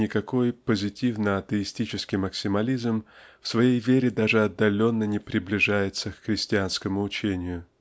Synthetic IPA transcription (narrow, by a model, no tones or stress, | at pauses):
ɪkɐko̞jpəzʲɪtʲivnəɐt̪əɪsʲtʲit͡ɕɪskʲɪjməksʲɪmɐlʲizmfsvɐjejvʲeɾʲɪd̪aʐɨɐd̪ːɐlʲo̞nːənʲɪpɾʲɪblʲɪʐajɪt̪səkxɾʲɪsʲtʲɪanskəmʊːt͡ɕenʲɪjʊ